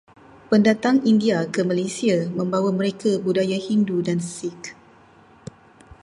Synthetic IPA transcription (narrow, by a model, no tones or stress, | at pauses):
pəndat̪aŋindiakəmalesiamə̃mbawaməɾekabudajahindudansik